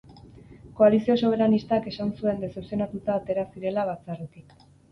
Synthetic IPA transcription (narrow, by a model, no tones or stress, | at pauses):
ko̞alisio̞soβ̞e̞ɾanist̪ake̞sansue̞nd̪esepsio̞nat̪ut̪aːt̪e̞ɾasiɾe̞laβat͡saret̪ik